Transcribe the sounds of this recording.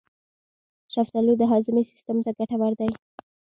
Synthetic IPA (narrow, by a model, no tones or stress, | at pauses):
ʃaft̪alud̪əɦɑzɪmesɪ̥st̪ʊmt̪aɡaʈawaɾd̪aj